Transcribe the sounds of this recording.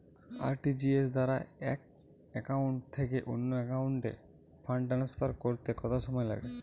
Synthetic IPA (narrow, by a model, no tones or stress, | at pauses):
a̰ɾʈid͡ʒies̬d̪aɾaɛ̰k̚ɛkawɳʈt̪ʰːek̬eʔonːɔɛkawuɳʈḛpʰaɳɖanaspaɾkoɾt̪ekɔt̪asɔmɔjela̰ɡɛ